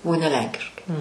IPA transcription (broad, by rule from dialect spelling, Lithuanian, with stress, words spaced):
oː nʲɛ ˈlʲɛŋʲkʲɪʃkɐɪ